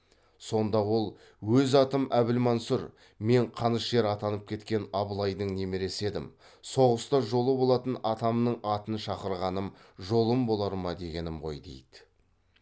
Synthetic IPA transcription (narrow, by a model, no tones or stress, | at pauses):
so̞nd̪ɑwo̞lˠ | wɵzɑt̪əmæbɪlmɑnsʊɾ | me̞ɴqʰɑnəʃʒe̞ɾɑt̪ɑnəp̚kʲʰe̞t̪kʲe̞nɑbəlˠɑjd̪əɴne̞meɾe̞se̞d̪ɪm | so̞ʁəst̪ɑʒo̞lˠəbo̞lˠɑt̪ənɑt̪ɑmnəɴɑt̪ənʃɑqəɾʁɑnəmʒo̞lˠəmbo̞lˠɑɾmɑd̪e̞ɡʲe̞nɪmʁo̞̰jd̪e̞̰jd̪̥ɪ